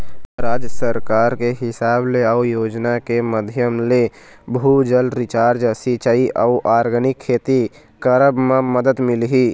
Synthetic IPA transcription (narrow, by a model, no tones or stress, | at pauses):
ɾaːd͡ʒjəsəɾkaːɾkeɦɪsaːbleəujoːd͡ʒnakeməd̪ʱjəmle | bʱud͡ʒəlɾɪt͡ʃaːɾd͡ʒəsit͡ʃəiʔəuʔaːɾɡənɪkʰːeːt̪i | kəɾəbmẽməd̪əd̪mɪlɦiː